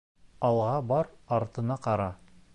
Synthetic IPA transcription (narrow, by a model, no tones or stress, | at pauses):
ɑlˠʁɑbɑɾɑɾt̪ɤ̆nɑqɑɾɑ